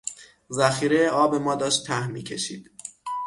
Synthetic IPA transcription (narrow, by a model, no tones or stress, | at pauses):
zæxiːɾejeɒːbe̞mɒːd̪ɒːʃt̪ʰːæhmːiːcʰe̞ʃiːd̪̥